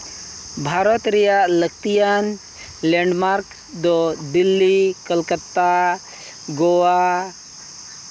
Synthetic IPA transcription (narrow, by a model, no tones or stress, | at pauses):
bʱaɾɔt̪ɾijalək̚ʰt̪ijan | leɳɖmaɾk | d̪ɔd̪ilːikəlkət̪ːa | ɡoa